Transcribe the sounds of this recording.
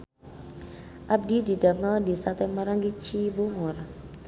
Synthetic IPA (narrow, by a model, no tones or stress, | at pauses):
ab̚dididavnadisat̪ɛmaɾaŋɡit͡ʃibuŋɔɾa